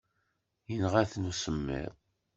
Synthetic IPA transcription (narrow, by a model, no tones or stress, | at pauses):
jənʁæθnusəmːḭɾ